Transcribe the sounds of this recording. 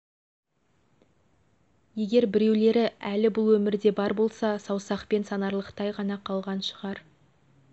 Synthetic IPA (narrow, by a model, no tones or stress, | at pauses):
je̞ɡʲe̞ɾbɪɾe̞wle̞ɾɪælɪbʊlˠwɵmɪɾd̪e̞bɑɾbo̞lˠsɑsɑwsɑqpe̞nsɑnɑɾlˠəqt̪ɑjʁɑnɑqʰɑlˠʁɑnʃəʁɑɾ